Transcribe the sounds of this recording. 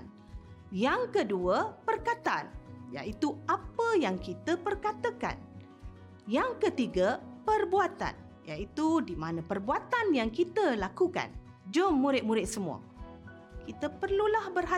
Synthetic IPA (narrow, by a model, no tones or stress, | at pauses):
n | jaŋkəduəpərkat̪a̰nja̰ʔit̪uʔapəjaŋkit̪əpərkat̪əka̰n | jaŋkət̪iɡəpərbuat̪a̰n | ja̰it̪udimanəpərbuat̪anjaŋkit̪əlakuka̰n | d͡ʒomːuɾɪt̪̚muɾɪt̪̚səmua̰ | kit̪əpərlulahbərɦa